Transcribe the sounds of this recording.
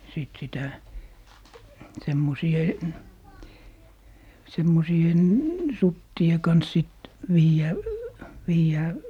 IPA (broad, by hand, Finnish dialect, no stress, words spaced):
siˑt sitæ semːosien sutːie kɑns sit ʋiːjæˑ ʋiːjæː